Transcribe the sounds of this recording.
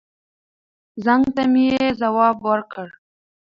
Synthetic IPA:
zaŋɡt̪amijezawɑbwəɾkəɽ

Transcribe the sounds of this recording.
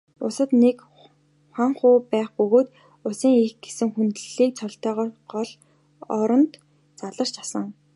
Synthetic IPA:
ʊsə̆t̪nek | χaɴχʊːpæːχpɵɣoːt̪ | ʊsiːŋexɡ̥esɘ̆ŋxunt̪ɘɮiːk̚t͡sʰɔɬt̪œːʁɔːɢɔɮ | ɔɾɞ̆nt̪ | t͡saɮə̆r̥t͡ɕasə̆ŋ

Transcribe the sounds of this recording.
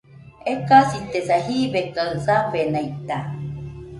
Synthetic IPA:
ekasit̪esahiβekaɯsabenajt̪a

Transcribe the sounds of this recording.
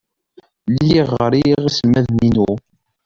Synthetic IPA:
lːiʁɾiʁisəlmæðninu

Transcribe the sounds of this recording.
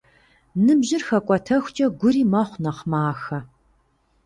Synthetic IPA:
nɨbʑɪrxɐkʷʼɔtʰɐxʷt͡ʃʼɐɡʷʊɾiːmɐχʷnɐqmaːxɐ

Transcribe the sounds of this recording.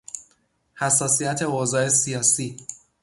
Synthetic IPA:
hæsːɒːsijæt̪ʰe̞ozɒːe̞sijɒːsiː

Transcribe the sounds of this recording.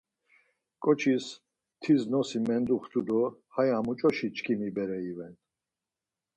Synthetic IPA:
kʼɔt͡ʃʰis | t̪ʰiznɔsimɛnd̪uχt̪ʰud̪ɔhajamut͡ʃʼɔʃit͡ʃʰʼkʰimibɛɾɛivɛn

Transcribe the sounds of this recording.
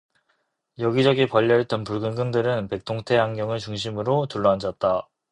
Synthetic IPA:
jʌɡid͡ʑʌɡipʌʎːʌet̚t͈ʌnpuɭɡɯnɡɯŋdɯɾɯnpe̞k̚tʰoŋtʰe̞ɦaŋɡjʌŋɯɭt͡ɕuŋɕʰimɯɾotuɭːʌand͡ʑʌt̚t͈a

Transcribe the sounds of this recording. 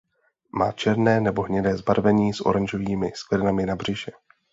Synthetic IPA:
maːt͡ʃɛɾnɛːnɛbo̞ɦɲɛdɛːzbaɾvɛɲiːsʔo̞̰ɾanʒo̞viːmɪsklɛɾnamɪnabr̝̥ɪʒɛ

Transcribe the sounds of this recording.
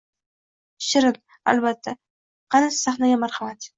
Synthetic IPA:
ʃɪɾɪl | a̰lbat̪ʰːa | qʰɑnassaχnaɡʲamaɾχamat̪

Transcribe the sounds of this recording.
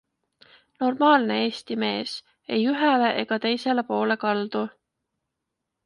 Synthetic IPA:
no̞rmɑːlne̞eːst̪ime̞ːs | e̞jyɦele̞ʔeɡ̥ɑt̪e̞jse̞le̞po̞ːle̞kɑld̪̥u

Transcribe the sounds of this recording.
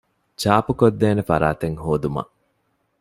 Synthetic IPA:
t͡ʃaːpukod̪ːeːnefɐɾaːt̪eŋhoːd̪umɐ̰ʔ

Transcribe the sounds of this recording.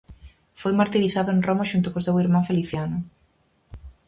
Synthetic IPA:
fojmaɾt̪iɾiθaðʊenromaʃunt̪ʊkosewiɾmãɱfeliθjanʊ

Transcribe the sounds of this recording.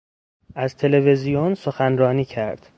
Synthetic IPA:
ʔæzt̪ʰe̞le̞ve̞zijonsoxænrɒːniːcʰæɾd̪̥

